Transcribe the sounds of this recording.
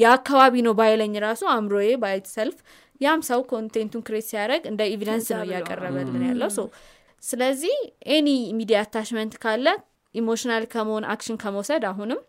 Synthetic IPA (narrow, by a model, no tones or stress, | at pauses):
jɛakːaβaβinəwbajləɲːɾasuamɾojebajt̪səlf | jɛamsawkʰo̞nt̪ʰent̪unkɨɾet̪sijaɾəɡɨnd̪əevid̪ənsnəwjːakʼə̰rːəβəlːɨnjalːəwsəw | sɨləzːihʔenimid̪ijat̪ʰaʃmənt̪kʰalːə | ʔimo̞ʃinalkʰəməhonʔa̰kʃɪnkʰəməwsəd̪aɦunɨmː